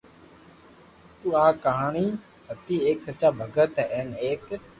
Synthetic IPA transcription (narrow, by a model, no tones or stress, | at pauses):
t̪uːãːkəɦaːɳiː | ɦət̪iːeːksət͡ʃaːbʱəɡət̪ɦɛɛːneːk